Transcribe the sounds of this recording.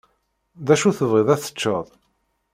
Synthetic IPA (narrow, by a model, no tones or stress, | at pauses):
ðæʃuθəvʁiðˤæθə̥t͡ʃːəðˤ